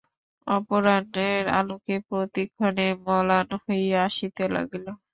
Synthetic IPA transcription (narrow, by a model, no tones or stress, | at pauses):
ɔpoɾaneɾa̰lukepɾot̪ikʰːɔnemɔlanhojaʃit̪ela̰ɡilo